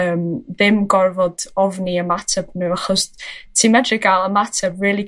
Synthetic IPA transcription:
əːmðɪmɡɔrvɔd̥ɔvniəmatʰɛb̥nuaχɔstʰiːmɛdrɨɡaːlˠəmatʰɛbriːlˠi

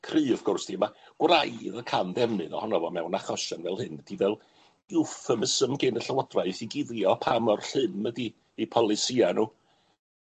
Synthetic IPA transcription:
kʰrɨːɔvɔvɡʊrsd̥imaɡ̥wrajðəkʰanðɛmɨðɔ̰hɔnɔvɔmɛwnaχɔʃanvɛlˠhɨnəd̥ivɛlˠ | ʊfəməsəmɡenəɬəwɔdraɨθiɡɪðjɔpʰamɔrɬɨmədiː | pʰɔlˠɪsianuː

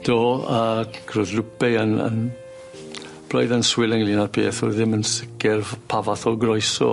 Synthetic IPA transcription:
d̥oːəːkʰrʊðlʊpɛənə̰n | b̥lɔ̰jðənswɪləŋlinarpʰḛːθɔðɪmənsɪkɛrpʰavaθɔɡrɔjsɔ̰

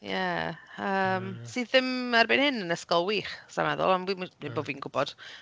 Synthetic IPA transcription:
jɛəːmsɨːððɪmarbɪnhɪnənəskɔlˠwiːχsa̰mɛðɔ̰lˠamwimnejboːdviːnɡʊbɔd̥

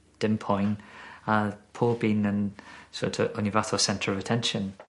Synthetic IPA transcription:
d̥ɪmpʰɔjnapʰoːlˠbiːnənsɔ̰tʰəɔnivaθɔsɛntʰɹəvətʰɛnʃə̃n

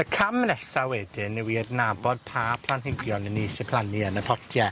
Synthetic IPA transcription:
əkʰamːnɛsawɛdɪnːɛwiədnabɔd̥̚pʰaːpʰlˠanhɪɡjɔnəniːsɪpʰlˠaniənəpʰɔtʰjɛ

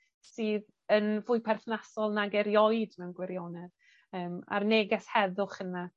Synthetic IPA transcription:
siːð | ənvʊɨpʰɛrθnasɔlˠnaɡɛɾjɔjd̥mɛwnɡwɛɾjonɛð̥ | əːma̰rneːɡɛshɛðʊχəna

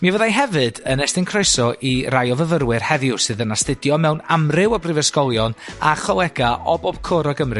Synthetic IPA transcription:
mivəðajɦɛvɨdənɛstɪnkʰrojsɔʔirajɔvəvəɾwɨr̥hɛvjʊsɨːðənastɪdjɔmɛwnamrɪwɔbrɪvɛskɔlˠjɔnaχɔlˠɛɡaʔɔbɔb̥kʰoɾɔɡəmrɨ

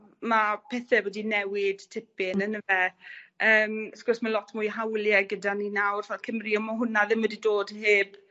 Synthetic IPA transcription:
mapʰɛθɛwɔdinɛwɪd̥tʰɪpɪnənəvɛəːmskʊrsmalˠɔtʰmuːjɦawlˠjɛɡədaninawrfɛlkʰəmriɔmɔɦʊnaðɪmwədidoːdheːb̥

